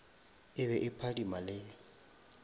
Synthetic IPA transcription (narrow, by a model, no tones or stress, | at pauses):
ɪβɛʔɪpʰadimalɪ